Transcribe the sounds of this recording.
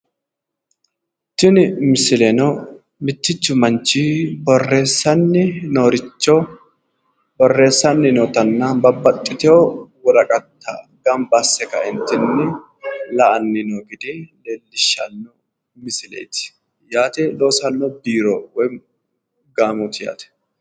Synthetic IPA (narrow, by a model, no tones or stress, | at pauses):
t̪ːɪnɪmɪsɪlɛnɔ | mɪt̪ːɪt͡ʃːʊmɐnt͡ʃibɔrːe̞ːsːɐnːɪnoːɾɪt͡ʃːɔ | bɔrːe̞ːsːɐnːɪnɔːt̪ɐnːabɐbːɐt̪ʼːɪt̪ɛɔwɔlɐkʼɐt̪ʰːɐ̰ | ɡɐmbasːɛkɐɪnt̪ːɪnːɪ | lɐʔɐnːɪnoːɡɪd̪eːleːlːɪʃːɐnːɔ | mɪsɪlḛːjt̪ɪ̥ | jaːt̪ɛloːsɐnːɔbiːɾowɔj | ɡaːmut̪ɪja̰ːt̪ɛ̥